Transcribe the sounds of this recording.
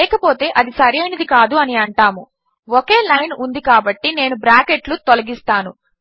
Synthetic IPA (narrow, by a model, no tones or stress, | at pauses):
lɛːkɐpo̞ːt̪e̞ːʔɐd̪isɐɾiɐjnɐd̪ikaːd̪uɐniɐɳʈaːmu | ɔke̞ːlɐjnund̪ikaːbɐʈːine̞ːnubɾaːkeʈlut̪olɐɡist̪aːnu